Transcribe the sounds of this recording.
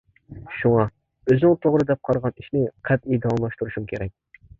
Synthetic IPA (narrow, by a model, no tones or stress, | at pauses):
ʃuŋɑ | øznɪŋt̪ʰoʁɾɨd̪ɛp̚qʰɑɾʁɑniʃnɪqʰɛp̪id̪ɑwɑmlˠɑʃt̪uɾuʃumkʲʰeɾɛk̚ʲ